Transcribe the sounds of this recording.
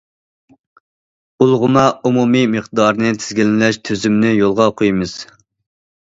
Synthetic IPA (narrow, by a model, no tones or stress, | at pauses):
ulˠʁʊmɑumumimɨχd̪ɑɾnɨt̪ʰɪ̥zɡʲilɪnɪlɛʃt̪ʰøzymnɪjolˠʁɑqʰojmɨz̥